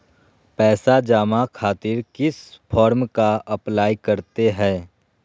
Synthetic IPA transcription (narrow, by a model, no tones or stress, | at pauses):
pɛːsad͡ʒaːmakʰaːt̪ɪɾkɪspʰɔːɾmkaɐplaːikɐɾt̪eɦɛ̃ː